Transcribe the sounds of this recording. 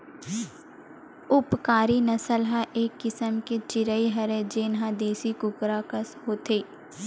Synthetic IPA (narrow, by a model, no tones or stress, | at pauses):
ʊpkaːɾinɐsəlɦaʔeːkːɪsəmket͡ʃɪɾəiɦɐɾed͡ʒeːnɦãd̪eːsikʊkɾakəsɦoːt̪ʰeː